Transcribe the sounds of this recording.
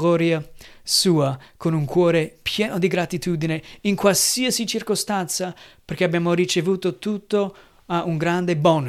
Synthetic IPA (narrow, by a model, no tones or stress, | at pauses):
ɔːɾjasuːakonuŋkwɔːɾepʰjɛːnod̪iɡɾat̪it̪uːd̪ineiŋkwalsiəsit͡ʃirkost̪ant̪saperk̟eabjaːmoɾit͡ʃevuːt̪ot̪ut̪ːo | aʔuŋɡɾand̪ebɔn